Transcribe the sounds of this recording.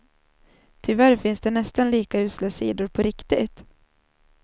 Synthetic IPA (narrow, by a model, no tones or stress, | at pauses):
t̪ʰʏvæɾfɪnsd̪ɛnɛst̪anliːkaʉ̟ːsləsḭːd̪ʊɾpʰɔɾɪkt̪ɪt̪